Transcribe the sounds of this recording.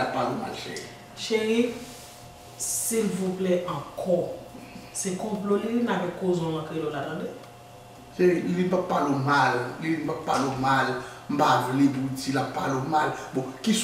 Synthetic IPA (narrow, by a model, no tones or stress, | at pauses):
lapːaloma̰lʃḛi | ʃeɣi | silvuplɛʔɑ̃kʰɔ | sekɔ̃plolinakɛ̃kːozɔ̃lãkelolat̪ãde | ʃeʁilibapːalomallimbapːalomalm̩bavlebud͡zilapːalomalbɔ̃kis